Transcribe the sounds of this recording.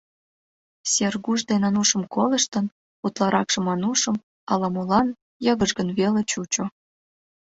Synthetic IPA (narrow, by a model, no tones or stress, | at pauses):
serɣuʒd̪enɑnuʃə̆mkoləʃt̪ən | ut̪lɑɾɑkʃĕmɑnuʃə̆m | ɑlɑmolɑn | jɤɣəʒɣənβelet͡ɕut͡ɕo